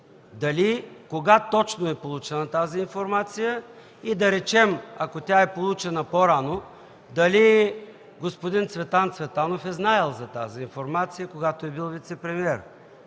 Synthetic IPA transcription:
d̪ɐlikoɡat̪ɔt͡ʃnoɛpolˠut͡ʃɛnɐt̪aziːnfoɾmat̪sijə | id̪ɐɾɛt͡ʃɛmɐkot̪ʲaɛpolˠut͡ʃɛnɐpoɾano | d̪ɐli | ɡospod̪int̪svɛt̪ˠant̪svɛt̪anofɛznaɛlˠzɐt̪a̰ziːnfoɾmat̪sijəkoɡat̪oɛbilˠvit̪sɛpɾɛmiɛɾ

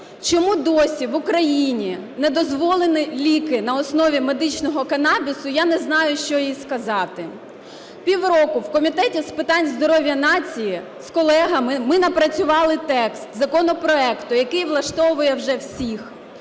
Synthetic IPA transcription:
t͡ʃɔmud̪ɔsʲiʋʊkɾɐjinʲinɛd̪ɔzʋɔlˠenɪlʲikɪnɐɔsnɔʋʲimed̪ɪt͡ʃnɔɦɔkɐnɑbʲisʊjanɛznɑjʊʃt͡ʃɔjijskɐzɑt̪ɪ | pʲiwrɔkʊwkɔmʲit̪ɛtʲispɪt̪ɑnʲzd̪ɔɾɔʋʲjɐnɑt͡sʲiji | skɔlˠɛɦɐmɪmɪnɐpɾɐt͡sʲʊʋɑlˠɪt̪ɛkst̪zɐkɔnɔpɾɔɛkt̪ʊjɐkɪjʋlˠɐʃt̪ɔʋʊjɛwʒɛwsʲix

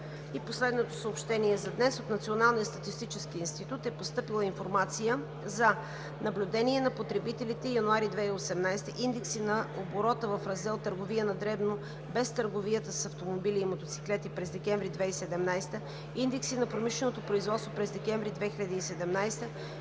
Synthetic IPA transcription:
iposlɛd̪not̪osəopʃt̪ɛniɛzɐd̪nɛsot̪nɐt̪sionalˠnijəst̪ɐt̪ist̪it͡ʃɛsk̟iːnst̪it̪ut̪ɛpost̪ɤpilˠəinfoɾmat̪sijə | zɐ | nɐblʲʊd̪ɛniɛnɐpot̪ɾɛbit̪ɛlit̪ɛjɐnʊaɾid̪vɛiosɛmnajst̪əʔind̪ɛksinɐoboɾɔt̪əvɐfɾɐzd̪ɛlˠt̪əɾɡovijənɐd̪ɾɛbno | bɛst̪əɾɡovijət̪əssɐft̪omobiliːmot̪ot̪si̥klɛt̪ipɾɛzd̪ɛkʲɛɱvɾid̪vɛisɛd̪ɛmnajst̪ə | ind̪ɛksinɐpɾomiʃlɛnot̪opɾoizvɔt̪st̪vopɾɛzd̪ɛkʲɛɱvɾid̪vɛxiʎʲɐd̪iːsɛd̪ɛmnajst̪ə

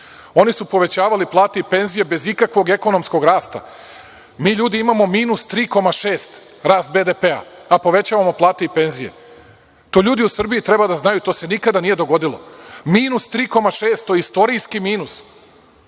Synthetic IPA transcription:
o̞nisupo̞ʋe̞t͡ɕaːʋaliplˠaːt̪eipe̞nzije̞be̞zikakʋo̞ɡe̞ko̞no̞msko̞ɡɾaːst̪a̰ | miːʎuːd̪iimamo̞miːnust̪ɾiːko̞maʃe̞ːst̪ | ɾaːst̪̚be̞d̪epe̞a̰apo̞ʋe̞t͡ɕaːʋamo̞plˠaːt̪e̞ipe̞nzije̞̰ | t̪o̞ːʎuːd̪iusr̩bijit̪ɾe̞bad̪aznajut̪o̞ːse̞nikad̪anije̞d̪o̞ɡo̞d̪ilo̞̰miːnust̪ɾiːko̞maʃe̞ːst̪ːoist̪o̞ɾijskimiːnus

